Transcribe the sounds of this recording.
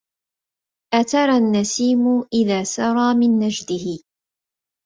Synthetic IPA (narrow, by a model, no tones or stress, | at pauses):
ʔat̪ɑɾˤanːasiːmʊʔɪðaːsɑɾˤɑːmɪnːad͡ʒd̪ɪhɪ